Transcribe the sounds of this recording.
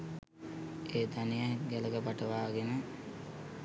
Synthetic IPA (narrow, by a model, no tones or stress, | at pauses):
eːd̪anijəɡæləɡəpaʈəʋaːɡenə